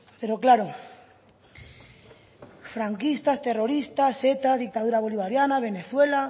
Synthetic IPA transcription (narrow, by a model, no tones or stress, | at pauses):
peɾoklaɾo | fɾaŋkist̪ast̪e̞ro̞ɾist̪aset̪aðik̚t̪að̞uɾaβ̞o̞liβaɾjanaβ̞e̞neθwe̞la